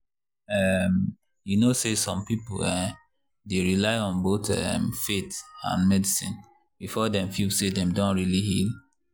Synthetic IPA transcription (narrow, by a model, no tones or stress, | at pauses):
ɛm | junosesɔ̃mpipo̰lɛ | deɹilaɪɔ̃nbotɛ̰mfetã̰nmɛdisḭ̃n | b̥ifɔdɛ̃mfilsedɛ̃mdõnɹilihil